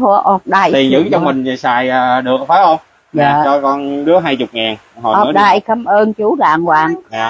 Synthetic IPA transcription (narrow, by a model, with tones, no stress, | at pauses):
o˧ʔɔ˨˩ɗaː˨˧˩jt̪i˨˩nzɨ̰˧˥t͡ɕɔ˧wŋ͡mmï˨˩ŋ̟˨˩sa̰ː˧˩jʔəː˨˩ɗɨ˨˩ək̚faː˨˦jʔə˧wŋ͡m | jaː˨˩˨t͡ɕɔ˧kɔ˧nɗɨ˨˦əɦaː˧jt͡ɕʊ˨˩k͡p̚ŋaː˨˩n | hɔ̰˨˩ɔ˨˩˨ɗaː˨˩jkə˧mʔəː˧nt͡ɕu˨˦za̰ː˧˨˩ŋwa̰ː˧˨˩ŋː˧˨